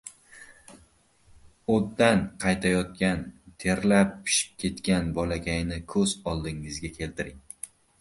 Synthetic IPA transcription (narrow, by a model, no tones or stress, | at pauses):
od̪ːanqʰɑjt̪ʰajɒt̪̚kʲant̪ʰe̞ɾlap̚ːʰɪ̥ʃɪ̥p̚kʲʰe̞t̪kʲanbɒlaɡʲajnɪkʰɵzɒlˠd̪ɪŋɪzɡʲakʲʰe̞lt̪ʰɪɾɪŋ